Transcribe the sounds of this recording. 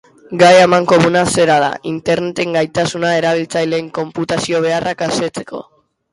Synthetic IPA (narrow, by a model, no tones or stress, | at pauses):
ɡajamaŋko̞munase̞ɾaða̰ʔint̪e̞ɾne̞t̪e̞ŋɡajt̪asunae̞ɾaβ̞ilt͡sajleːŋko̞mput̪asio̞βe̞arʔakaset͡se̞̥ko̞